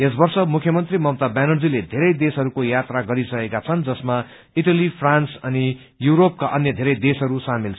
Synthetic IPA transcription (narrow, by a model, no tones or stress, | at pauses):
es̬bʌrsʌmukʰjʌmʌnt̪rimʌmt̪abanʌd͡ziled̪ʱeɾʌjd̪esɦʌɾukojat̪raɡʌɾisʌkekat͡sʰʌnd͡zʌsma | iʈʌlipʰransʌni | juɾop̚kaʔʌnjʌd̪ʱeɾʌjd̪esɦʌɾusamilt͡sʰ